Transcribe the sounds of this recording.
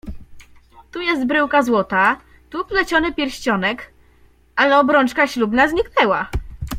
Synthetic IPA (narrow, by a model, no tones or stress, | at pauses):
t̪ujɛst̪̚bɾɘwkazwɔt̪a | t̪uplɛt͡ɕɔnɘpʲjɛɾɕt͡ɕɔnɛk | ʔalɛɔbɾɔnt͡ʂkaɕlubnazɲiknɛwa